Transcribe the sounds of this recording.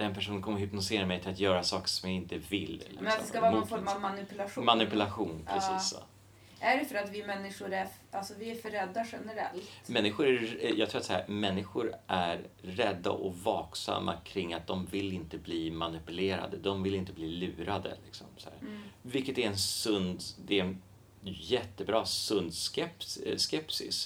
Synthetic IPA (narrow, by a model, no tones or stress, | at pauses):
d̪ɛnpʰæʂuːnəkɔmːəɦʏpnʊseːɾamɛjt̪ʰɪat̪jœːɾasɑːkə̥ʂɔmjaɪnt̪əvɪlːlɪ̰mɛnst̪ɔɛskavɑːnfɔɾmavmanɪpʉlaɧumanɪpɵlaɧuːnpʰɾɛsiːsːɔ̰ | ʔæɖɛfœɾat̪vɪmɛnːɪʂʊɾæɾ | ʔalsɔvɪæɾfœɾːɛd̪ːaɧɛnəɾɛ̰lt̪mɛnːɪɧʊɾæɾjɑɡt̪ʰɾuːat̪sahæ̰ːɾmɛnːɪɧʊɾʔæɾɾɛd̪ːa̰ʔɔvɑːksa̰mːa̰kʰɾɪŋːat̪̚d̪ɔmvɪlːɪnt̪əbliːmanɪpɵleːɾa̰d̪əd̪ɔmvɪlɪnt̪əbliːlʉ̟ːɾad̪ə̰lɪksɔmsɔhæ̰ːɾvɪlkːət̪æɾɛnsɵnd̪d̪ɛɛn | jɛt̪ːəbɾɑːsɵnd̪skɛpsskɛpsɪ̰s